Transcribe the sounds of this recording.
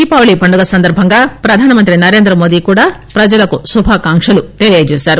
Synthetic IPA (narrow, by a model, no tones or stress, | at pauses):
iːpaːʋɐɭipɐɳɖuɡɐsɐnd̪ɐɾbʱɐŋɡaːpɾɐd̪ʱaːnɐmɐnt̪ɾinɐɾe̞ːnd̪ɾɐmoːd̪ikuːɽaːpɾɐd͡ʒɐlɐkusubʱaːkaːŋkʂɐlut̪eɭijed͡ʒeːsaːɾu